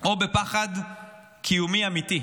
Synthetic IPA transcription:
ʔobepaχad | kʰijumiamiti

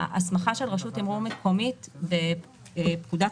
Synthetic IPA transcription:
asmaχaʃelʁaʃutimʁumekʰo̞mitve | pkud̪a

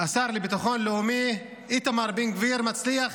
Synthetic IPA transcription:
asaɾlibit̪aχonleumi | it̪amaɾbinɡviɾmat͡sliaχ

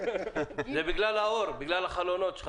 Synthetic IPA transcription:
zebiɡlalaoɾbiɡlalaχalonot͡ʃʰχ

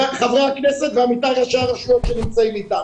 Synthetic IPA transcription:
akχavʁaakneset̪veamit̪aʁaʃaaʁaʃuot̪ʃenimt͡saimit̪am

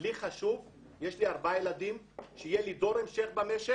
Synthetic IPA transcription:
liχaʃuv | jeʃliaʁbajelad̪im | ʃeijelid̪o̞ɾemʃeχbameʃe

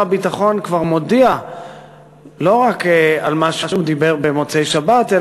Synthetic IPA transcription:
abit̪aχo̞nkvaʁmo̞dia | lo̞ʁakalmaʃaʃumd̪ibeʁbemot͡sejʃabat̪e

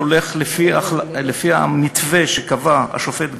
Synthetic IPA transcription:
ole̞χlefialefia̰mit̪ve̞ʃekavaa̰ʃofe̞t̪b

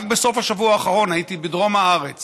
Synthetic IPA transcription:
kbe̞so̞faʃavuaːχaʁo̞najit̪ibidʁo̞mhaaʁe̞t͡s

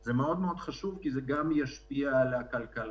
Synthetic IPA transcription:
zemeo̞d̪meo̞d̪χaʃuvkizeɡamjaʃpiaːlakalkal

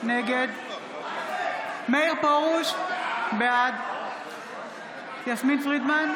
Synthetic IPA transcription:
neɡed̪ | meiʁpoʁuʃbead̪ | jasminsʁid̪man

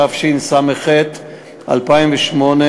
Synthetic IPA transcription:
afʃinsameχet̪ | ʔa̰lpaimveʃmo̞ne

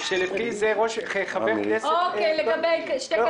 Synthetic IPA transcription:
ʃelefizeʁoʃjχabeʁknesokejleɡabejkʃte

